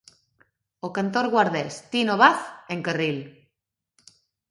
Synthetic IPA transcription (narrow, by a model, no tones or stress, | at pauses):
okant̪oɾɣwaɾðest̪inoβaθeŋkaril